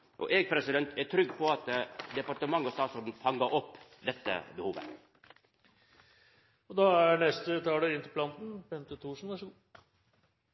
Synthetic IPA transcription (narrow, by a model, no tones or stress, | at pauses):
ʔɔ̰ʔeːɡpʰɾɛsɪd̪ɛnt̪ʰæʈʰɾʏɡːpʰɔɑt̪d̪ɛpɑʈəmɑŋːɑst̪ɑːt̪sɔd̪n̩fɑŋːəɾʔɔpːd̪ɛt̪ːə̰bəhuːʋə̰ | ɔd̪ɑænɛst̪ət̪ʰɑːɖɛɪnt̪ɪpʰlɑnt̪n̩bɛnt̪ət̪ʰuːʂn̩ʋæʂɔɡuː